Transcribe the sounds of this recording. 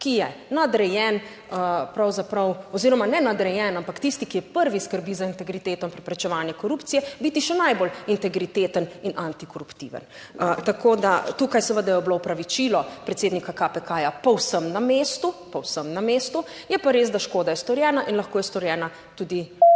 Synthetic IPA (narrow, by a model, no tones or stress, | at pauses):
kijɛnad̪ɾɛjɛːn | əpɾawzapɾɐwɔziɾɔmanɛnad̪ɾɛjɛnampakt̪ist̪ikijɛpəɾʋiskəɾbizaint̪ɛɡɾit̪eːt̪ɔĩmpɾɛpɾɛt͡ʃɛʋaːnjɛkɔɾupt̪sijɛbiːt̪iʃɛnajbolint̪ɛɡɾit̪eːt̪əninʔant̪ikɔɾupt̪ḭːʋə̰n | t̪akʰoːd̪at̪ukajsəʋəd̪ajɛɔbloɔpɾaʋit͡ʃiːlɔpɾɛt̪seːd̪nikakapɛkaːjapɔwsəmnamest̪upɔwsəmnameːst̪u | jɛpaɾezd̪aʃkoːd̪ajɛst̪ɔɾjɛːnaʔinlɐxkoːjɛst̪ɔɾjɛːna | t̪uːd̪i